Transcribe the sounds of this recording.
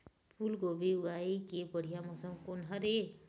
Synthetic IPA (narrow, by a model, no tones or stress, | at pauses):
pʰulɡobiʊɡaːikebəɽ̤ijamɔsəmkonɦəɾe